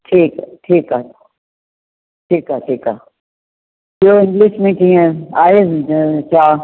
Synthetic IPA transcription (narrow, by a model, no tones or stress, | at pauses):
ʈʰiːkʈʰiːkaː | ʈʰiːkaːʈʰiːkaː | kioːɪ̃ŋɡliʃmẽkiːẽaːezt͡ʃaː